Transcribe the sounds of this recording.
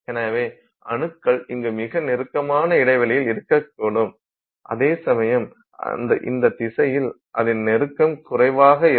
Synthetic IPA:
ʔeːnaʋeː | ɐ̰ɳɯkːɐɭɪŋɡɯmɪɣɐnɛɾɯkːɐmaːnɐɪɽɐɪʋɐlɐjɪlɪɾɯkːɐk̚ːoɽɯm | ʔɐ̰ðeːsɐmɐjɐm̰ | nd̪ɐʔɪ̰nd̪ɐt̪ɪsɐjɪl | ʔɐðɪnnɛɾɯkːɐmkʊrɐɪʋaːɣɐɪ

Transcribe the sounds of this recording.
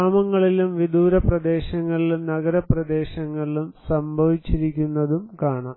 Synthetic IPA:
aːmɐŋːɐɭilumʋid̪uːɾɐprɐd̪e̞ːɕɐŋːɐɭilumnɐɡɐɾɐprɐd̪e̞ːɕɐŋːɐɭilumsɐmbʱɐʋit͡ɕːiɾikʲːunːɐðumkaːɳa

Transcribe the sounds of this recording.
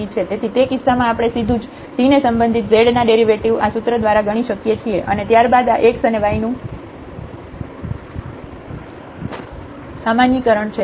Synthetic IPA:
it͡ʃʰet̪et̪ʰit̪ekisːamãːpɽ̃esid̪ʱũd͡ʒ | sinesəmbənd̪ʱit̪̚zeɽnaɖeɾiʋeʈiʋasut̪ɾəd̪ʋaɾaɡəɽ̃iʃəkjet͡ʃʰieʔənet̪jaɾbad̪aʔeksəneʋainũ | samanjikəɾəɳt͡ʃʰe

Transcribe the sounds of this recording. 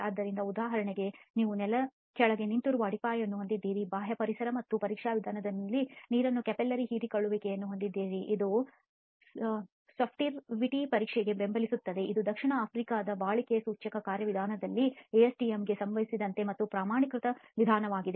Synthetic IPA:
aːd̪ːɐɾind̪ɐud̪aːɦɐɾɐɳeɡe̞niːʋunɛlɐ | kɛɭɐɡe̞nint̪uɾuʋɐɽipaːjɐnːuɦond̪id̪ːiːɾibaːɦjɐpɐɾisɐɾɐmɐt̪ːupɐɾiːkʂaːʋid̪ʱaːnɐd̪ɐnlːiniːɾɐnːukɛpelːɐɾiɦiːɾikɐɭːuʋeːkejɐnːuɦond̪id̪ːiːɾiʔid̪u | soːpʰʈiɾʋiʈipɐɾiːkʂɛɡe̞be̞mbɐlisut̪ːɐd̪e̞ʔid̪ud̪ɐkʂiɳɐaːpʰɾikaːd̪ɐbaːɭikejɐsuːt͡ʃɐkɐkaːɾjɐʋid̪ʱaːnɐd̪ɐlːieːesʈiemɡe̞sɐmʋɐɦisid̪ɐnt̪e̞mɐt̪ːupɾaːmaːɳikɾut̪ɐʋid̪ʱaːnɐʋaːɡid̪e

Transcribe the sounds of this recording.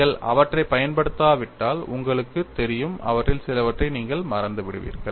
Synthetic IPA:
ɐɭɐ̰ʋɐʈrɐɪpːɐjɐnpɐɽɯt̪ːaːʋɪʈːaːlʊ̰ŋɡɐɭɯkːɯt̪ɛɾɪjɯmɐ̰ʋɐʈrɪlsɪlɐʋɐʈrɐɪniːŋɡɐɭmɐɾɐnd̪ɯʋɪɽɯ̰ʋḭːɾɣɐɭ

